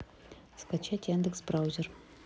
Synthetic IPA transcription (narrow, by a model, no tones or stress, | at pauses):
skat͡ɕatʲjand̪əksbrawzʲer